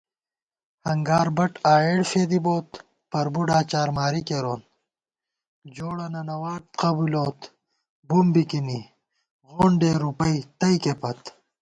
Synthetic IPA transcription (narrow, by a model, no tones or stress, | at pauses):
hɐŋɡaːɾbɐʈaːeːɽfeːd̪iboːt̪ | pɐɾbuɖaːt͡ɕaːɾmaːɾikeɾoːn | d͡ʑoːɽɐnɐnɐwaːʈ̚qɐbuloːt̪ | bumbikini | ʁoːɳɖeɾupɐjt̪ɐjkepɐt̪